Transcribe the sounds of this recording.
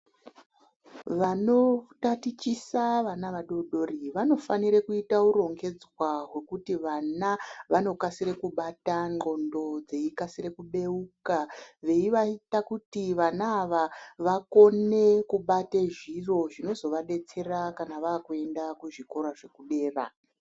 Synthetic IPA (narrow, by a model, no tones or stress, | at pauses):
ʋano̞tatit͡ʃisaʋanaʋaɗo̞ɗo̞riʋano̞faniɾekuitauɾo̞ŋɡe̞d͡zwaɦwe̞kutiʋanaʋano̞kasiɾekuɓataŋ͡ǃo̞ndo̞d͡ze̞ikasire̞kuɓe̞ukaʋe̞iʋaitakutiʋanaːʋaʋako̞ne̞kuɓateʐiro̞ʐino̞zo̞ʋaɗe̞t͡se̞rakanaʋaːkue̞ndakuʐiko̞ɾaʐe̞kuɗe̞ːra̰